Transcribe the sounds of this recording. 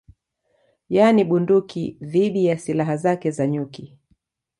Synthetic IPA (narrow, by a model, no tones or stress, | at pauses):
janiɓundukiðiɗijasilaɦazakɛzaɲuki